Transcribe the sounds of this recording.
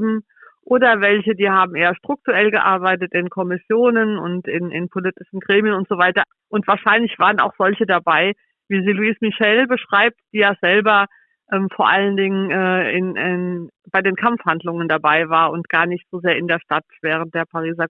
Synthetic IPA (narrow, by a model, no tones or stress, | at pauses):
bm̩ | ʔoːdɐvɛlçədiːhaːbm̩ʔeːɐʃtʁ̥ʊk̚tuʁɛlɡəʔa̰ɐbaɪtətɪnkʰɔmɪsjoːnənʊ̰ntɪnɪ̰npʰolɪtɪʃn̩ɡʁeːmjənʊntz̥ovaɪtɐ | ʔʊntv̥aːɐʃaɪnlɪçv̥aːʁəna̰ʊxz̥ɔlçədabaɪ | viːziːluiːsmɪʃɛlbəʃʁ̥aɪp̚td̥iːjaːzɛlbɐ | ʔɛːmfoːɐʔaləndɪŋənʔɛːɪnɪnb̥aɪdeːnkʰamfhandlʊŋəndabaɪvaːɐʊntɡ̥aːɐnɪçtz̥ozeːɐɪndeːɐʃtatv̥ɛːʁ̞ənt̚d̥eːɐpʰaʁiːzɐ